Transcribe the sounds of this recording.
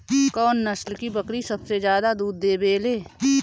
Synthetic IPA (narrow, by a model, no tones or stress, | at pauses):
kɔːnːɐslkibəkɾisɐbsed͡ʒjaːd̪ad̪uːd̪ːeːbeːleː